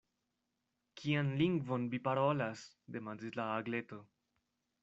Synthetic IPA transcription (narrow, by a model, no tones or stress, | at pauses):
kʰianliŋɡvo̞nmipaɾolas | de̞mandislaːɡle̞to̞